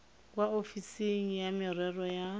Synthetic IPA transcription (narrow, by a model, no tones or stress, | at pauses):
kʼwaofiseŋ̩jamɪrwɛrɔja